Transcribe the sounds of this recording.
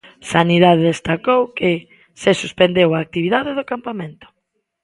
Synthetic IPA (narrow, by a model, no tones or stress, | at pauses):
saniðaðeðest̪akowkɪ | sesuspend̪ewaːk̚t̪iβiðaðɪðokampamẽnt̪ʊ̥